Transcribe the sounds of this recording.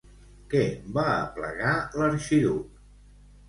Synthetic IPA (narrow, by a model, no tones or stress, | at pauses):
kɛbaə̰plə̰ɣaləɾʃiðu